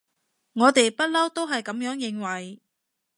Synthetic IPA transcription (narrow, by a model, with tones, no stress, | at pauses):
ŋɔː˨˧t̪e˨jpɐ˥t̚lɐ˥wt̪o˥wɦɐ˨jkɐ˨˥mjœː˨˥ŋjɪ˨˧ŋwɐ˨j